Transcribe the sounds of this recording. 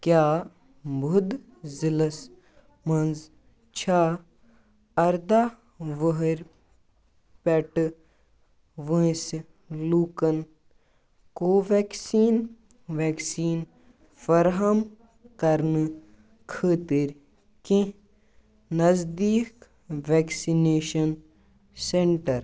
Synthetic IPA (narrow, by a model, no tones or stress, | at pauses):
kʲjaː | bʱʊd̪ | zilɐs | mɐnz | t͡ʃʰaː | ɐɾd̪aː | ʋəɦəɾ | pɛʈɨ | ʋə̃ĩs | luːkɐn | koːʋeːksiːn | ʋeːksiːn | fɐɾɦɐm | kɐɾnɨ | kʰəːt̪iɾ | kẽ | nɐzd̪iːk | ʋeːksineːʃɐn | seɳʈɐɾ